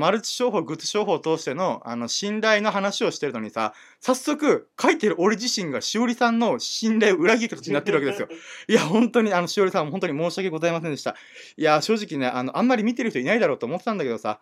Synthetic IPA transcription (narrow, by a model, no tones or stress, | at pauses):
maɾɯt͡si̥ɕo̞ːɦo̞ːɡɯ̟t͡sɨ̥ɕo̞ːɦo̞ːt̪o̞ːɕi̥t̪e̞no̞ano̞ɕĩnɾaino̞ɦanaɕio̞ɕi̥t̪e̞ɾɯ̟no̞ɲ̟isa̰ | sasːo̞kɯ̟kʰait̪eɾɯ̟ʔo̞ɾeʑiɕĩŋɡaɕio̞ɾʲisãnːo̞ɕĩnɾaio̞ɯ̟ɾaɡʲikat̪ot͡ɕiɲ̟inat̪ːe̞ɾɯβakeesɨjoiahõ̞nt̪oɲ̟iano̞ɕio̞ɾʲisãmoɦont̪oɲimo̞ːɕiake̞ɡo̞zaemasẽnd̪e̞ɕi̥t̪a̰ | iaɕo̞ːʑikʲine̞ʔano̞ʔãmːaɾʲimʲit̪e̞ɾ̟t̪oinaid̪aɾo̞ːt̪oːmo̞t̪et̪ãnd̪ake̞d̪o̞sa̰